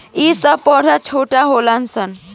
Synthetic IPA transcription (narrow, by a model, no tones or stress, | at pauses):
isəpːɔʈat͡ʃʰoʈaɦolansən